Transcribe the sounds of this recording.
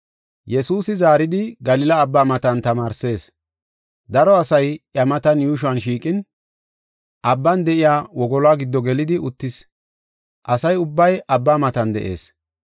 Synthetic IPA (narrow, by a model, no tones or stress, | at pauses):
jɛsuːsɪzaːɾɪd̪ɪɡɐlɪlɐːbːaːmɐt̪ɐnt̪ɐmaːɾse̞ːs | d̪ɐɾɔɐsɐjɐmɐt̪ɐnjuːʃ̬ʊɐnʃiːkʼɪn | ʔɐbːɐnd̪ɛʔɪjaːwɔɡɔlaːɡɪd̪ːɔɡɛlɪd̪ɪʊt̪ːɪs | ʔɐsɐjʊbːɐjʔɐbːaːmɐt̪ɐnd̪ɛ̰ʔe̞̰ːs